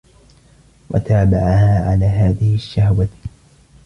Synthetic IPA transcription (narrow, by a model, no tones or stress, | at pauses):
wʔa̰t̪aːbaʕahaːʕalaːɦaːðɪhɪaʃːahwa